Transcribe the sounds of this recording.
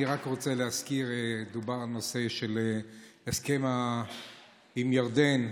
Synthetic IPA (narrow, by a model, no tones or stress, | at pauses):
iʁakʁot͡selehaskiʁed̪ubaʁalnose̞ʃeleeskema | imjaʁd̪en